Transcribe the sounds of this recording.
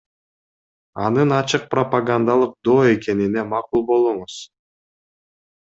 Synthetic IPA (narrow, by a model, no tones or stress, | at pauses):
ɑnɯnɑt͡ʃɯq̚propaɡand̪alˠɯq̚d̪o̞ːe̞ke̞nine̞mɑqulˠbo̞lˠuɴuz̥